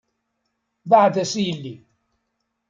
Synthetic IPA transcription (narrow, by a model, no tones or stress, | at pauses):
baʕd̪æsilːi